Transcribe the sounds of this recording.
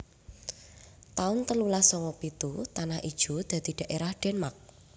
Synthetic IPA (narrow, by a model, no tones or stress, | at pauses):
t̪aʊnt̪əlulasɔŋɔpit̪ut̪anahʔid̥ʒ̥ṳd̪̥ä̤d̪̥i̤ɖ̪̥a̤ʔeɾahɖ̥ɛ̤nmak̚